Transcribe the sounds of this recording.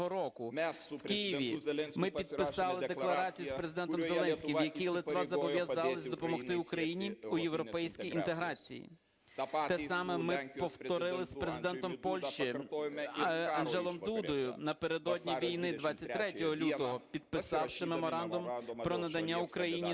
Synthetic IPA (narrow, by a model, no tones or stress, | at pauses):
ɦɔɾɔkʊkɪjiʋʲimɪpʲid̪pɪsɑlˠɪd̪eklˠɐɾɑt͡sʲijuspɾe̞zɪd̪ɛnt̪ɔmzelˠɛnsʲkʲimjɐkʲilˠɪt̪ʋɑzɐʋbɔʋjɐzɑlˠɪzʲd̪ɔpɔmɔxt̪ɪukɾɐjinʲiujewɾɔpɛjsʲkʲijint̪e̞ɦɾɑt͡sʲḭjḭ | ɛsɑmɛmɪpɔwt̪ɔɾɪlˠɪspɾe̞zɪd̪ɛnt̪ɔmpɔlʲʃt͡ʃi | ɐnʒɛlˠɔmd̪ud̪ɔjʊnɐpe̞ɾe̞d̪ɔdʲnʲiʋʲijnɪd̪ʋɑt͡sʲːɐt̚ʲt̪ɾɛtʲɔɦɔlʲut̪ɔɦɔpʲid̪̥̚pɪsɑwʃɪmemɔɾɑnd̪ʊmpɾɔnɐd̪ɐnʲːaʊkɾɐjinʲi